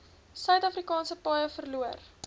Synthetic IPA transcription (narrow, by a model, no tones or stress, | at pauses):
sœɥtɐfrikɑːnsəpɑːjəfərluər